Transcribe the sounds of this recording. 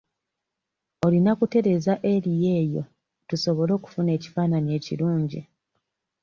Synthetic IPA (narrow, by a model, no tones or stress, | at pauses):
o̞linakute̞ɾe̞zaʔe̞lije̞ːjo̞ | tuso̞βo̞lo̞ːku̥fune̞ːci̥faːnanie̞ːcḭluːɲɟi